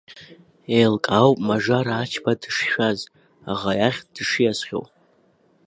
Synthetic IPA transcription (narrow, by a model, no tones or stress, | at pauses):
ejlkʼawpʼmaʐaɾaːt͡ʃʰbadɨʂʃᶣaz | aʁajaχʲd̥ɨʂjasχʲo̰wʼ